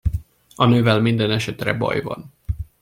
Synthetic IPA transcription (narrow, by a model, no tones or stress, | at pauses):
ɒnøːvɛlmind̪ɛnɛʃɛt̪rɛ̰bɒ̰jvɒ̰n